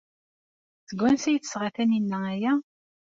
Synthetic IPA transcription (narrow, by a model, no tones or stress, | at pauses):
θəɡʷːænsæjθə̥sʁaθæninːææjæ